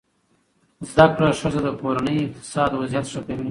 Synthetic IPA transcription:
zd̪akɽaʂəzad̪əkoɾanəjɪq̚t̪ɪ̥sɑd̪wazijat̪ʂakawin

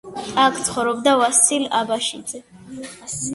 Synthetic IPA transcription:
tʼakʰt̪sʰχɔvɾɔbd̪avasila̰baʃḭd̪zɛ

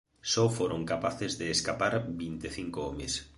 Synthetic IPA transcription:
sɔfoɾoŋkapaθezðeːskapaɾbint̪eθiŋkoomes

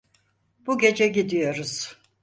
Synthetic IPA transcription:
b̥uɟe̞d͡ʒɛɟid̪ijo̞ɾuz̥

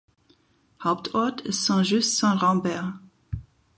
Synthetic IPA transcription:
hɔpt̪ʰɔt̪sɑ̃ʒyst̪sɑ̃ʁɑ̃bɛʁ

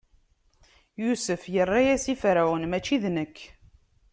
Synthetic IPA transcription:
jusəfjərˤːajæsifɾawənmæt͡ʃːiðnəkː

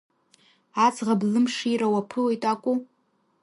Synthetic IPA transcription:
at͡sʰʼʁablɨmʂiɾawapʰɨle̞jtʼakʷʼu

